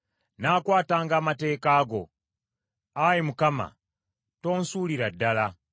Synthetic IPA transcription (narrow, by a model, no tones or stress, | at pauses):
naːkwaːtaːŋɡaːmate̞ːkaːɡo̞̰ | ajimukama̰ | to̞ːnsuːliɾadːala